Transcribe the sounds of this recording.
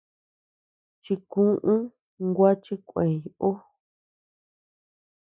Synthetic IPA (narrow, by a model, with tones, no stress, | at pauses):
t͡ʃi˧kũ˦ʔũ˦ | ŋɡʷa˦t͡ʃi˦kʷẽ˨ju˨ʔo˦